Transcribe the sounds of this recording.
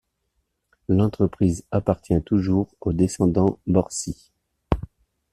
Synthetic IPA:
lɑ̃t̪χəpχizapaʁt̪jɛ̃t̪uʒuʁod̪esɑ̃d̪ɑ̃bɔʁsi

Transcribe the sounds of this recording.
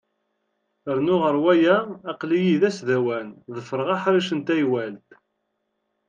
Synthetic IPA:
əɾnʊʁəɾwæjæːqlijiðæsðæwænðˤəfəɾˤəʁɑħɾˤiʃənt̪æjwælt̪

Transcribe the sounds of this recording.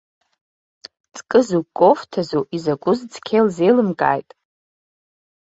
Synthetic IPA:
t͡sʼkʼɨzukʼoftʰazoʔizaɡʷʊzd͡zkʲʰejlzejlɨmkʼa̰ːjtʼ

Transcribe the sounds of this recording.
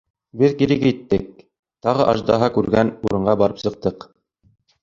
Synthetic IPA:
bɘðkiɾɘkit̪ːɘk̚ | t̪ɑʁɤʔɑʒd̪ɑ̰ɦɑkʉɾɡænuɾɤ̆ɴɢɑbɑɾɤpsɤ̆q̚t̪ɤq

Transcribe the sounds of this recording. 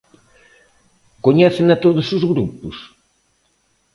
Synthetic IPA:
koɲɛθenɐt̪oðʊsʊzɣɾupʊs

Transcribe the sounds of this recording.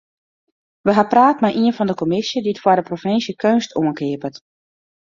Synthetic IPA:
ʋəɦapraːtmɛjʔiənfɔndəkɔmɪsjəditfwadəprofɪnsjəkʰønstʰuənkɪəpət

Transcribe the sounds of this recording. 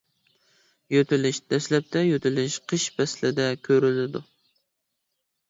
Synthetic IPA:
jøt̪ʰɪlɪʃd̪̥ɛslɛp̚t̪ʰɛjøt̪ʰɪlɪʃqʰəʃbɛslɪd̪ɛkʲʰøɾylɪd̪ṵ

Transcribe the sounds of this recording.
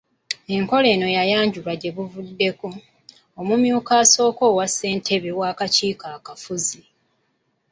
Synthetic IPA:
e̞ŋko̞le̞ːno̞jajaːɲɟulwaɟe̞βuvudːe̞ko̞ː | mumjuːkaːso̞ːko̞ːwase̞ːntʰe̞βe̞waːkaciːkaːkafuzi

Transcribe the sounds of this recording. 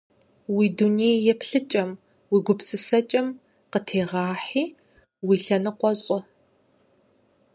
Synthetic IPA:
wiːduneːjjɛpɬɨt͡ʃʼɐm | wiːɡʷʊpsʼɨsɐt͡ʃʼɐm | qətʰeːʁɑːħiː | wiːɬɐnɨqʷɔzʼɔ

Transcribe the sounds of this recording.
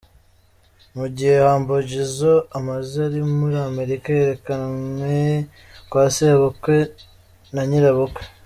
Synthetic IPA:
muɟihehaːmboɟizoamaziaɾimuɾame̞ɾikaje̞ɾe̞kawe | kwaːseβokwe | naɲiɾaβokwe̥

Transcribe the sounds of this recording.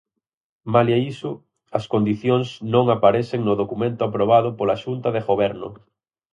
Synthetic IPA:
maljaisʊ | ɐskond̪iθjoŋsnõŋapaɾɛθeŋnʊðokumẽnt̪ʊapɾoβ̞aðʊpolaʃunt̪ɐðeɣoβɛɾnʊ̰

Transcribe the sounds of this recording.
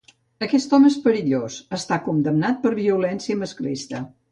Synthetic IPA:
əkɛst̪ɔmespəɾiʎosəst̪akund̪əmnat̪̚pəɾβiulɛnsiəməsklist̪ə

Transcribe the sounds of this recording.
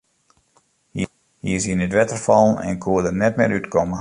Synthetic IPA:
hi | hiəsinətʋɛtərfɑlˠnɛ̰nkʰuədənɛtmɪːɾytkʰɔmə

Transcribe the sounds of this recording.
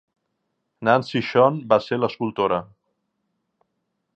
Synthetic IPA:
nansiʃɔnbaseləskulˠt̪oɾə

